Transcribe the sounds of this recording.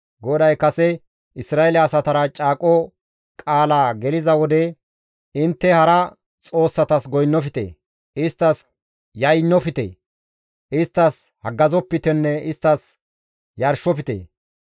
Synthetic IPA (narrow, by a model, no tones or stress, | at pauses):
ɡɔd̪ɐjkɐsɛ | ʔɪsɾaːelɐːsɐt̪ɐɾɐt͡ʃʼaːkʼɔ | kʼaːlaːɡɛlɪzɐwɔd̪ɛ | ɪnt̪ːɛhɐɾɐ | t͡sʼo̞ːsːɐt̪ɐsɡɔjnːɔfɪt̪ḛː | ɪst̪ːɐs | jɐjnːɔfɪt̪ḛː | ɪst̪ːɐshɐɡɐzɔpːɪt̪ɛnːɛɪst̪ːɐs | jɐɾʃːɔfɪt̪ḛː